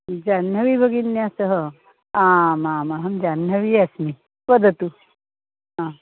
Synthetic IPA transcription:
d͡ʑanəʋiːbʱəɡinjasəɦə | ãmaməɦəmd͡ʒanːəʋiːasmi | pəd̪ʱət̪u | ã

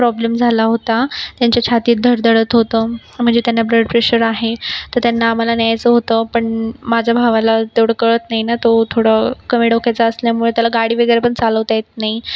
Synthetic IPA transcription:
pɾɔblemd͡zʱalaɦot̪at̪jaɲt͡ɕjat͡ɕʰat̪iːt̪̚d̪ʱəɾd̪ʱəɽət̪ɦot̪əː | m̤əɳd͡zet̪janːabɾeɖpɾeɕəɾaɦet̪əɾt̪janːaːm̤alanjajt͡səɦot̪əpəɳmad͡ʑʱabʱaʋalat̪eʋɽəkəɭət̪nainat̪ot̪ʰoɽəkəmiɽɔkʰajt͡saəsljamuɭet̪jalaɡaɽiːʋəɡəjɾepəɳt͡saləʋt̪ajet̪̚naɦi

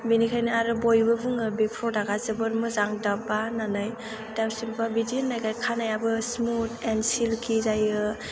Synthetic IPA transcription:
binikʰajnɯaɾɯbojbɯbuŋɯbek̚pʰɔdaɡazɯbɯɾmɯzaŋdabananɯj | dawsimpabidinːajkajkʰanajabɯsmutensilkʰizajɯ

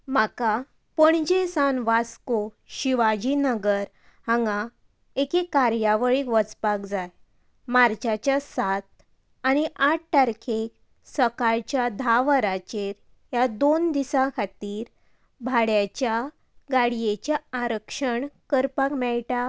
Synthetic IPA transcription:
maka | pəɳd͡ʑesanʋasko | ɕiʋad͡ʑinəɡəɾ | hãŋɡa | ekekːaɾjaʋəɭiːkʋət͡spakd͡zaj | maɾt͡ɕat͡ɕjasat̪̚ | añiʔaʈ̚ʰʈaɾkʰek | səkaɾt͡ɕjad̪ʱaʋəɾat͡ɕeɾ | jad̪ond̪isãkʰat̪iːɾ | bʱaɽjat͡ɕja | ɡaɽijet͡ɕjaaɾəkʂəɳkəɾpakmɛɭʈa

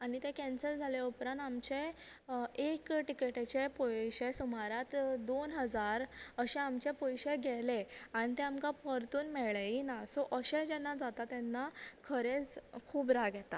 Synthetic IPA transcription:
aɽit̪ekɛnsəld͡zʱaleupɾãamt͡ɕe | ekʈikeʈet͡ɕepoɕesumaɾat̪d̪onɦəd͡zaɾəɕɛ̃amt͡ɕepɔjɕeɡʱɛleaɽ̃it̪eamkãpəɾt̪uːnmɛɭeinasɔʔəɕẽd͡ʑɛnːad͡zat̪at̪ɛnːakʰəɾet͡skʰuːbɾaɡʱjɛt̪a

